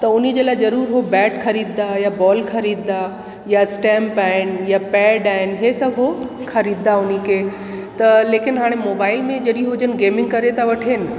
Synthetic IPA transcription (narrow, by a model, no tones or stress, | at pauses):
t̪ɐʊnid͡ʑeːlaːɪzɐɾuːɾɦobɛːʈxʰɐɾiːd̪d̪ajabɔːlkʰɐɾiːd̪d̪a | jasʈɛ̃ːmpaːɦɪnjapɛːɖaːɦɪnɦesɐbʱɦo | xɐɾiːd̪d̪aʊnikʰeː | t̪ɐleːkɪnɦaːɽ̃emoːbaːɪlmẽd͡ʑɐɗĩɦʊd͡ʑənɪ̆ɡeːmɪ̃ŋɡkɐɾet̪aʋɐʈʰeːnɪ̆